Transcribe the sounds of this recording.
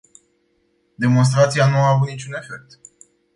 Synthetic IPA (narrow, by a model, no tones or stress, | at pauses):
d̪e̞mo̞ns̬t̪ɾat̪sianuaːvut̪nit͡ʃune̞fe̞k̚t̪